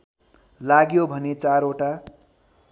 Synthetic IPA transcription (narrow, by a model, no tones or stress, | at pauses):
laɡjobʱʌnet͡saɾoʈa